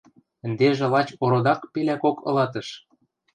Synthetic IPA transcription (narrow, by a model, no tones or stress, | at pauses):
ə̆nd̪eʒĕlɑt͡ɕoɾod̪ɑkpelʲækokɤ̰̆lɑt̪ɤ̆ʃ